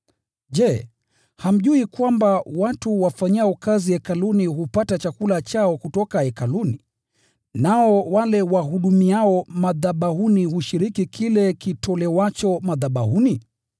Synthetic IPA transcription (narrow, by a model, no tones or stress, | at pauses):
ʄɛ | ham̩ʄuikwambawatuwafaɲaaɔkaziɛkaluniɦupatat͡ʃakulat͡ʃaɔkutɔkaɛkaluni | naɔwalɛwaɦuɗumiaɔmaðaɓahunihuʃiɾikikʰilɛkitʰɔlɛwat͡ʃɔmaðaɓahuni